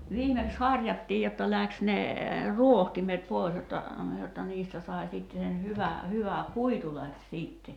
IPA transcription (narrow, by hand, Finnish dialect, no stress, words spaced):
ʋiːmeks hɑrʲjɑtːiːj jotːɑ læks ne ruohtimet poˑi̞s jotːɑ jotːɑ niːstæ sɑi̞ siˑtːe sen hyʋæ hyʋæ kuitu læks siːtːe